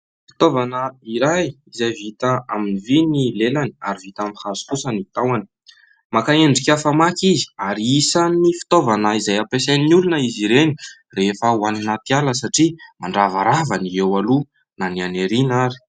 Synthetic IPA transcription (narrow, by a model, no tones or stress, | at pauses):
fi̥t̪ovanəiɾajizajvit̪aaminivinilelani̥aɾivit̪amihazu̥kusənit̪awani̥ | makaeɳɖ͡ʐikʲafamakizi̥aɾiisanifi̥t̪ovanəizajapesannulunəiziɾeni̥ | refəuaninat̪ialəsaʈ͡ʂimaɳɖ͡ʐavaɾavaniewalu | nanianeɾinaɾi̥